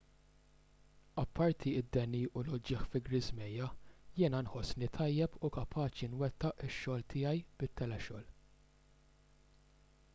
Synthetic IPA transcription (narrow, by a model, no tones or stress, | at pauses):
ɐpːɐɾt̪ʰiɪd̪ːɛnːiʔʊlʊd͡ʒɪħfɪɡɾɪzmɛjːɐjɪːnɐnħɔsːnit̪ʰɐjːɛpʰukɐpʰɐːt͡ʃinwɛt̪ːɐʔɪʃːɔːlt̪ʰɪːjɐjb̥ɪt̪ːɛlɛʃɔ̰ːl